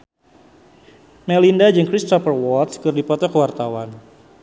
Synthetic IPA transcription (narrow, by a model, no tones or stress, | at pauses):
mɛlindad͡ʒɨŋkɾist̪ɔpərwɔt̪skɨrdipɔt̪ɔkəwart̪awan